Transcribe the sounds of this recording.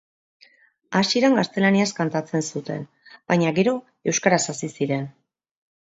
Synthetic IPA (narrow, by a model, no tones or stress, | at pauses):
asiiɾaŋɡast̪e̞laniaskant̪at͡se̞nsut̪e̞̰n | bajɲaɡe̞ɾo̞ | e̞wskaɾasasisiɾe̞n